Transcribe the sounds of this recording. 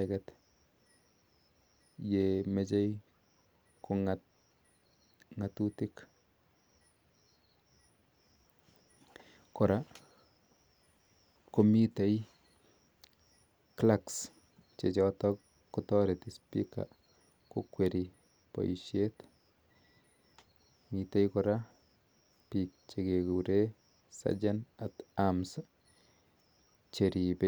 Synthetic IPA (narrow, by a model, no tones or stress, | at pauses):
ɛkɛt̪ | jemet͡ʃej | kʰoŋa | ŋatutik | koɾa | komitej | klaks | t͡ʃet͡ʃɔtɔkː | utɔɾet̪ispḭka̰ | kokweɾi | po̰jʃjet̪ | mit̪ejkoɾa | pik̚t͡ʃekeɡuɾe | sa̰d͡ʒanat̪ams | t͡ʃeɾipe